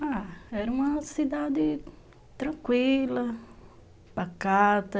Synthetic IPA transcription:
aɛɾɐũmɐsid̪ad̪ɪ | t̪ɾɐ̃kwilɐ | bakat̪ɐ

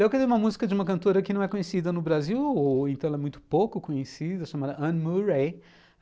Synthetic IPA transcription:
ewkɛɾeumɐmuzikɐd͡ʒɪũmɐkɐ̃nt̪oɾɐkɪnɐ̃w̃ɛkõɲesid̪ɐnʊbɾaziwoẽt̪ɐ̃ɛlɛmũj̃t̪ʊ̥powkʊkõɲesid̪ɐʃamad̪ɐʔɐ̃muɾej

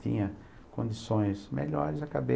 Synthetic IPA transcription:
t̪ḭ̃ɲɐ | kõnd͡ʒ̪isõj̃smeʎɔɾɪzɐkabe

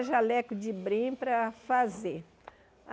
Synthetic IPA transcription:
ʒalɛkʊd͡ʒɪbɾĩpɾɐfaze

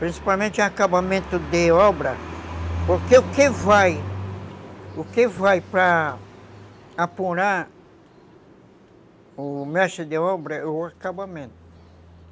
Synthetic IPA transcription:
pɾĩsi̥pawmẽnt͡ʃ̪ɪ̃akabamẽnt̪ʊd̪eɔbɾɐpoɾkeʊkevaj | ʊkevajpɾɐ | apuɾaɾ | ʊmɛʃɪd̪eɔbɾɐɛʊakabamẽnt̪ʊ̥

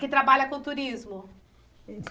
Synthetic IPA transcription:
kɪt̪ɾabaʎɐkõt̪uɾizmʊ

